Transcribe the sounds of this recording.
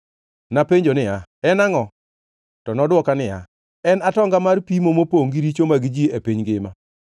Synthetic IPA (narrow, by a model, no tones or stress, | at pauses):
napeɲd͡ʒonɪjaɛnaŋɔ | tɔnɔdwɔkanɪja̰ | ɛnatɔŋɡamarpimomopoŋɡiɾit͡ʃomaɡid͡ʒiepiɲɡɪma